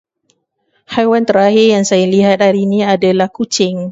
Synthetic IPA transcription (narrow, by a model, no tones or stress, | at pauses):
hajwant̪əɾaɦɪrjaŋsajaliɦat̪̚haɾiniadalahkut͡ʃɪŋ